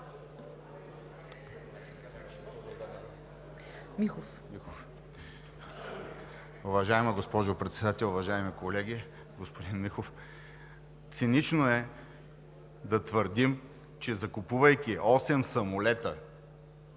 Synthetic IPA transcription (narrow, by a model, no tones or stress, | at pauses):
mixof | mixof | ʊvɐʒaɛmɐɡospɔʒʊpɾɛt̪sɛd̪at̪ɛlˠʊvɐʒaɛmikolɛɡʲi | ɡospod̪inmixof | t̪sinit͡ʃnoɛ | d̪ɐt̪vəɾd̪im | t͡ʃɛzɐkʊpuvɐjkʲiʔɔsɛmsɐmʊlɛt̪ə